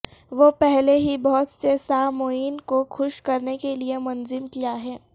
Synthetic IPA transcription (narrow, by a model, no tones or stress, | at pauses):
ʋopɛɦleɦibɔɦʊt̪sesamoːiːnkoxʊʃkɐɾnekeliemɐnzɪmkijaɦɛː